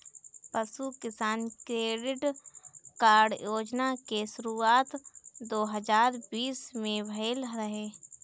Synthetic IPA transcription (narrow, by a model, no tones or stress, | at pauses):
pəsukɪsaːnkɾeːɖɪʈ | kaːɾɖjoːd͡ʒnakeʃʊɾuːaːt̪d̪oːɦəzaːɾbiːsmẽbʱəlɾəɦeː